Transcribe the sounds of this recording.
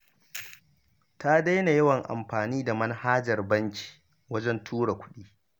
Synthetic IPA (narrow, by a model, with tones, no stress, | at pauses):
ta˦da˦jna˨jɐ˦wɐ˨ŋʔa̰˨mɸaː˨niː˦da˨mɐ˦nhaː˦d͡ʒɐ˨rbɐ˦ŋkʲi̥ː˨ | wɐ˦d͡ʒɛ˦ntʰuː˦ɽa˨kʷʊ̥˦ɗiː˦